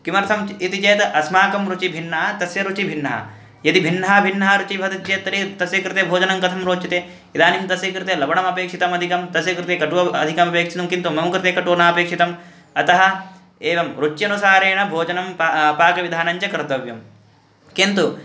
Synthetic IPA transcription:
kimɐɾt̪ʰɐmit̪it͡ʃeːt̪ɐʔɐsmaːkɐmɾut͡ʃibʱinːɐɦɐt̪ɐsjɐɾut͡ʃibʱinːɐɦɐ̰ | jɐd̪ibʱinːɐɦɐbʱinːɐɦɐɾut͡ʃibʱɐd̪ɐt̪t͡ʃeːt̪ːɐɾit̪ɐsjɐkɾɪt̪ebʱoːd͡ʒɐnɐmkɐt̪ʰɐmɾoːt͡ʃit̪eː | id̪aːnimt̪ɐsjɐkɾɪt̪eːlɐbɐɳɐmɐpeːkʂit̪ɐmɐd̪ʱikɐmt̪ɐsjɐkɾɪt̪eːkɐʈuʋɐɐ̰d̪ʱikɐmɐpeːkʂi̥t̪ɐmkint̪umɐmukɾɪt̪eːkɐʈoːnaːɐpeːkʂit̪ɐm | ɐt̪ɐɦɐ̆ | eːʋɐmɾut͡ʃːjɐnusaːɾeːɳɐbʱoːd͡ʒɐnɐmppaːkɐʋid̪ʱaːnɐɲt͡ʃɐkɾt̪ɐʋjɐm | kint̪u

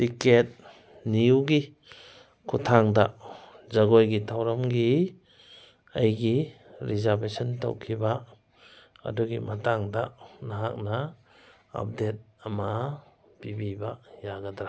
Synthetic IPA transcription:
tiket̚ | niuɡi | kʰutʰaŋda̰zaɡojɡitʰawɾamɡi | ajɡiɾizaɾbesɔnta̰wkʰiba | a̰duɡimataŋdanaɦak̚na | a̰p̚det̚ama | pibibajaɡadɾa

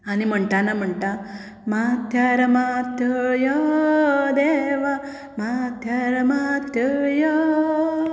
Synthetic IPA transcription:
anim̤əɳʈ̪anam̤əɳʈa | mat̪ʰjɐɾɐmat̪ʰjəjɔ | d̪eʋa | mat̪ʰjɐɾɐmat̪ʰjɐjo

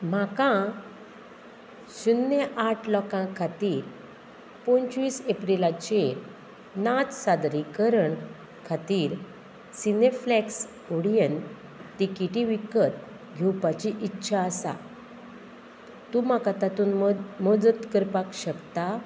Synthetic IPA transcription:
makã | ɕunːeʔaʈʰlɔkãkʰːat̪iːɾ | põnt͡ɕʋiːsepɾilat͡ɕe | nat̪sad̪ɾikəɾəɳ | kʰat̪iːɾ | sineflɛks | oɽijən | ʈ̪ikiʈiʋikət̪ | ɡʱewpat͡ɕiʔitːɕʰaəsa̰ | t̪um̤akat̪at̪uːnmɔd͡zət̪kəɾpakɕəkt̪a

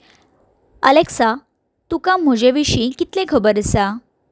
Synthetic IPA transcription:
ə̰leksa | t̪ukãm̤əd͡ʑeʋiɕikit̪lẽkʰəbəɾsa

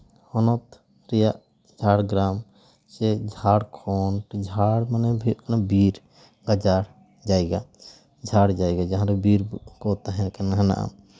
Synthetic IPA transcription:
hɔnot̪ | ɾija | d͡ʒʱaːɽɡɾaːm | t͡ʃed͡ʒʱaːɽkʰoːnʈd͡ʒʱaɽmənebʱiknabiɾ | ɡad͡ʒaɽ | d͡ʒaːjɡa | d͡ʒʱaːɽd͡ʒaːjɡad͡ʒaɦãɾebiɾkoːt̪aɦɛnkenɦəna̰ʔa̰

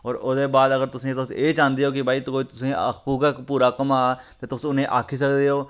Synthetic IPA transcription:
ɔːɾʊd̪eːbaːd̪əɡəɾt̪ʊsẽːt̪ʊseːt͡ʃãːnd̪eɦoːkɪbʱaːit̪koːit̪ʊsẽə̰kpuːkakpuːɾaːkəmaːt̪eːt̪ʊsʊnẽːʔaːkʰiːs̬əkd̪eːɦoː

